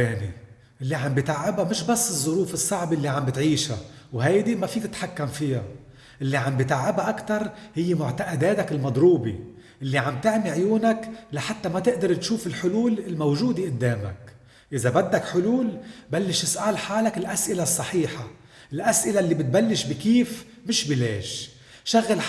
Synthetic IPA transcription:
eːnḭ | ʔɪlːiʕambɪt̪aʕːɪbamɪʃbasːɨzˤːʊɾuːfɨsˤːɑʕbʔɪlːiʕambɪt̪ʕiːʃa̰wɦajd̪imafiːt̪ɪt̪ħakːamfɪja | ʔɪlːiʕambɪt̪aʕːɪbaʔakt̪ɑɾˤhɪjːɪmʊʕt̪aʔɪd̪eːt̪akɪlmɑd̪ˤɾuːbḭ | ʔɪlːiʕamb̚t̪ɪʕmiʕjuːnaklaħat̪ːamat̪ɪʔd̪ɑɾˤt̪ʃuːfɪlħʊluːlɪlmawʒuːd̪iʔɪd̪ːeːma̰k | ʔɪzabad̪ːakħʊluːlbalːɪʃɪsʔaːlħaːlakɪlʔasʔɪlasˤːɑħiːħa | ʔɪlʔasʔɪlaʔlːibɪt̪̚balːɪʃbikiːf | mɪʃbileːʃ | ʃaɣːal

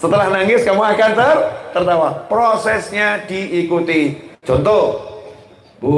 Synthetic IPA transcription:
sət̪əlahnaŋɪskamuakant̪art̪ərt̪awapɾosɛsɲadiːkut̪i̥d͡ʒɔnt̪ɔ

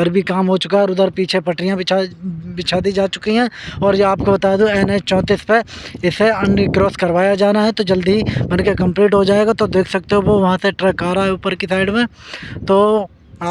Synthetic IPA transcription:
əɾbʱikaːmɦot͡ʃʊkaɦɛɾʊd̪əɾpiːt͡ʃʰepɐʈɾijãabɪt͡ʃʰaːd̪id͡ʒaːt͡ʃʊkiɦɛ̃ɔːɾjaːp̚kobɐt̪aːd̪ũɛːnet͡ʃɔ̃ːt̪iːspeɪseɐ̃nkɾoːskɐɾʋaːjad͡ʒaːnaɦɛt̪od͡ʒɐld̪iibɐnkekɐ̃mpliːʈɦod͡ʒaːeːɡat̪od̪eːkʰsɐk̚t̪eɦõboʋɐɦãseʈɾɛkaːɾaɦɛʊpəɾkisaːɪɖmẽt̪oː

